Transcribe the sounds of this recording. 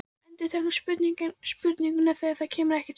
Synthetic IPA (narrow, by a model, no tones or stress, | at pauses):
ɛnt̪ɪ̥t̪ʰɛhnspʏt̪niŋcɪnspʏt̪niŋkʏnɛθɛaðθaðcʰɛːmɪɾɛhcɪ̥t̪